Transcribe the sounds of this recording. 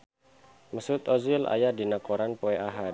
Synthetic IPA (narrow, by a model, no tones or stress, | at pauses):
məsut̪ɔzɪla̰jadinakoɾanpoɛaɦa